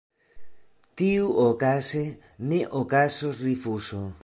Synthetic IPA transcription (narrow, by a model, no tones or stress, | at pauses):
t̪iuokase | neʔokasosrifuso